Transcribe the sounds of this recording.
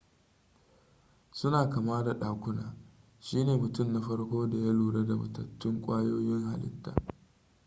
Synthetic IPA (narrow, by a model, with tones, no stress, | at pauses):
sʊ˦naː˨kɐ˨maː˦da˨ɗaː˨kʷʊ˦naː˨ | ʃiː˦neː˨mʊ˨tʊ˦˨mna˦ɸɐ˦rkʷoː˦da˨ja˦luː˨ɽa˦da˨mɐ̰˨tɐ̰˨tːɪ˦ŋkʷʼaː˦joː˦jɪ˦ŋha˨lɪ̰˦tːa̰ː˨